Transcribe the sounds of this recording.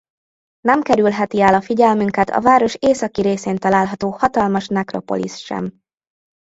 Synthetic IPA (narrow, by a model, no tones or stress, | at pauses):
nɛmkɛɾylɦɛt̪iɛːlɒfiɟɛlmyŋkɛt̪ʰɒ̰vaːɾo̞ʃeːsɒkiɾeːseːnt̪ɒlaːlɦɒt̪oːhɒt̪ɒlmɒʃmɛkro̞̰po̞̰lḭsʃɛ̰m